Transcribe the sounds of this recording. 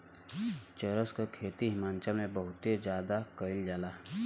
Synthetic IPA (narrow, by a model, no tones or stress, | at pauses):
t͡ʃəɾəskakʰeːt̪iɦɪmaːnt͡ʃəlmẽbəɦʊt̪ed͡ʒjaːd̪akəɪld͡ʒaːlaː